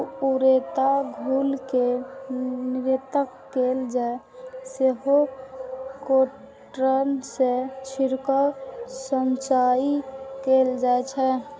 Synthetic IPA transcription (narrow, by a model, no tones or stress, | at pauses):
uɾet̪aɡʱulke | niɾet̪əkːeld͡ʒae | seɦo | ko | ʈɾənset͡ʃʰiɾkəsənt͡ʃaikeld͡ʒaet͡ʃʰɛ